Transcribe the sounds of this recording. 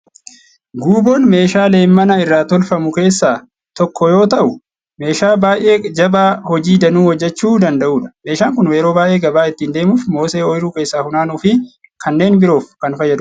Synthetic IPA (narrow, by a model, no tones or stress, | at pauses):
ɡuːbo̞ːnme̞ːʃaːle̞ːmmɐnɐɪrːaːt̪ɔlfɐmʊke̞ːsːaː | t̪ɔkːɔjo̞ːt̪ɐʔʊ | me̞ːʃaːbaːʔe̞ːd͡ʒɐbaːhɔd͡ʒiːd̪ɐnuːwɔd͡ʒːɛt͡ʃːuːd̪ɐnd̪ɐʔuːᶑɐ̥me̞ːʃaːŋkʊnweːɾo̞ːbaːʔe̞ːɡɐbaːɪt̪ːiːnd̪e̞ːmʊfmo̞ːseːɔjɪɾuːke̞ːsːaːhʊnaːnuːfɪ | kʰɐnːe̞ːnbɪɾo̞ːfkɐnfɐjːɐd̪ʊ